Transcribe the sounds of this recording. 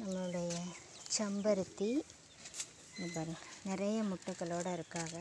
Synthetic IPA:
nɐmːɐɭɯɽɐjɐt͡ʃɐmbɐɾɯt̪ːi | ɪnd̪ɐpaːɾɯŋɡɐnɪɾɐjɐmʊʈːɯkːɐɭoːɽɐɪɾɯkːaːɣɐ

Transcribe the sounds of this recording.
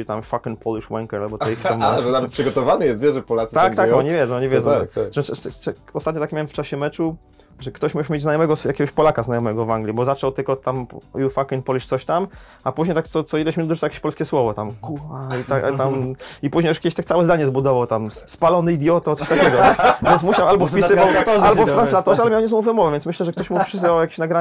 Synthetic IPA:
it̪amfakɛnpɔluʂwɛŋkɛɾalbɔt̪ɔixamːaʐɛnavɛt̪̚pʂɨɡɔt̪ɔvanɨjɛst̪vʲjɛʐɛpɔlat̪sɨt̪akkt̪aɔɲivʲjɛdd͡z̪ɔ̃w̃ɔɲivʲɛd͡zzɔ̃ɛɛ | ɔst̪at̪ɲɔt̪akmʲawɛmft͡ʂaɕɛmɛt͡ʂu | ʐɛkt̪ɔɕmuɛɕmʲed͡ʑznajɔmɛɡɔsjakʲɛɡɔɕpɔlakaznajɔmɛɡɔvaŋɡlʲibɔzat͡ʂɔwt̪ɘlkɔt̪amjufakɛnpɔlʲit͡ɕt̪sɔɕt̪am | apuʑɲejt̪akt̪sɔt̪sɔilɛɕmind̪uɨt̪awjakʲeɕʲpɔlskʲɛswɔvɔt̪amkuait̪a̰t̪amipuʑɲejuʂkʲeeɕt̪ak̪̚sawɛzd̪aɲɛzbud̪ɔvawt̪amspalɔnɘid̪jɔt̪ɔt̪ɔɕt̪akʲɛɡɔvʲjɛnsmuɕawalbɔfpʲisɨvaɔalbɔft̪ɾanslat̪ɔʐɛalɛmʲjawɲɛsɔmɔ̃wvɛmɔvɛvʲjnt̪smɘɕlɛʐɛk̚t̪ɔɕmupʂɘzvawjakʲe̥ɕnaɡɾa

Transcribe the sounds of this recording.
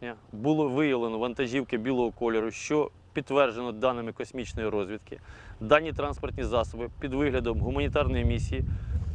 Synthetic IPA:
nʲɐbulˠɔʋɪjɐʋlˠenɔʋɐnt̪ɐʒʲiwkɪbʲilˠɔɦɔkɔlʲeɾʊʃt͡ʃɔ | pʲid̪t̪ːʋɛrʒenɔd̪ɑnɪmɪkɔsʲmʲit͡ʃnɔjiɾɔzʲʋʲid̪kɪd̪ɑnʲːit̪ɾɑnspɔrt̪ʲnʲizɑsɔbɪpʲid̪ʋɪɦlʲɐd̪ɔmɦʊmɐnʲit̪ɑrnɔjimʲisʲiji

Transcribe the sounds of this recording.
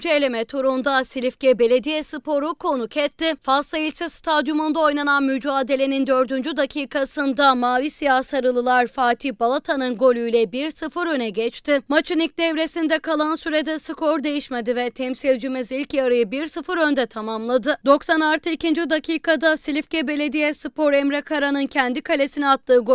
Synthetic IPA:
d͡ʒelʲemɛt̪ʰoɾund̪asilʲifcɛbe̞lʲe̞d̪ijɛsɯpʰo̞ɾukʰo̞nucʰɛt̪ːɪfasˠailʲt͡ʃɛst̪ʰad̪jumond̪ao̞jnananmyd͡ʒaːd̪e̞lʲe̞nind̪ø̞ɾd̪ynd͡ʒyd̪acʰiːkʰasɯnd̪amaːvisijasaɾɯlˠɯlˠaɾfaːt̪ʰihbalˠat̪ʰanɯnɡo̞lʲujlʲɛbiɾsɯfɯɾø̞nɛɟɛt͡ʃt̪ɪmat͡ʃʰɯnic̚d̪ɛvɾe̞sind̪ɛkʰalˠansyɾed̪ɛsɯkʰo̞ɾd̪e̞jiʃmed̪ivɛt̪ʰɛmsilʲd͡ʒimizilʲcjaɾɯjɯbiɾsɯfɯɾø̞nd̪ɛt̪ʰamamlˠad̪ɯd̪o̞ksanaɾt̪ʰɯicind͡ʒyd̪acʰiːkad̪asilʲifcɛbe̞lʲe̞d̪ijɛsɯpo̞ɾɛmɾɛkʰaɾanɯncʰɛnd̪ikalʲe̞sinɛat̪lˠɯːɡ

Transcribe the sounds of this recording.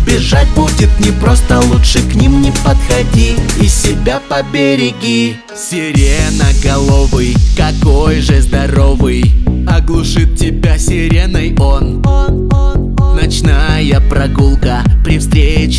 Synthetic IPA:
bʲɪʐat̚ʲbudʲɪt̪nʲɪpɾost̪əlˠutʂɨknʲimnʲɪpət̪xɐdʲiisʲɪbʲapɐbʲeɾʲɪɡʲɪ | sʲɪɾʲenəɡɐlˠovɨjkɐkojʐɨzd̪ɐɾovɨjɐɡlˠʊʂɨt̪̚tʲɪbʲasʲɪɾʲenəjo̞n | nɐt͡ɕnajəpɾɐɡulˠkəpɾʲɪfst̪ɾʲet͡ɕ

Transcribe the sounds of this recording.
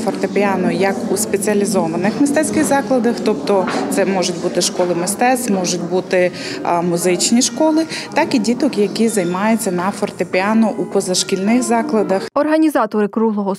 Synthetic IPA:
fɔrt̪epʲiɑnɔjɐkuspet͡sʲiɐlʲizɔʋɐnɪxmɪst̪ɛt͡sʲkɪɣzɑklˠɐd̪ɐxt̪ɔpt̪ɔt̪sɛmɔʒʊtʲbut̪ɪʃkɔlˠɪmɪst̪ɛsmɔʒʊt̚ʲbut̪ɪ | mʊzɪt͡ʃnʲiʃkɔlˠɪt̪ɑkidʲit̪ɔkjɐkizɐjmɑjʊt͡sʲːɐnɐfɔrt̪epʲiɑnɔʔupɔzɐʃkʲilʲnɪxzɑklˠɐd̪ɐxɔrɦɐnʲizɑt̪ɔɾɪkɾuɦlˠɔɦɔ

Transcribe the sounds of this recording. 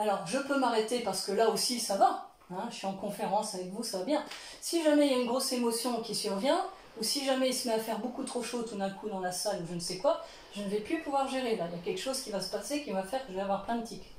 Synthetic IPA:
alɔʁʒəpømaʁet̪epaʁsə̥kəlaosisava | ɛ̃əsɥiɑ̃kɔ̃feʁɑ̃savɛkvusavabjɛ̃ | siʒamɛiljaynɡʁosemɔsjɔ̃kʲisyʁvjɛ̃ | usiʒamɛismɛafɛʁbokut̪χoʃot̪ud̪ɛ̃kud̪ɑ̃lasaluʒənəsɛkwa | ʒənəvɛplypuvwaʁʒeʁelailjakʲɛlkə̥ʃozkʲivasə̥pasekʲivafɛʁkəʒəvɛavwaʁplɛ̃d̪ət̪ik

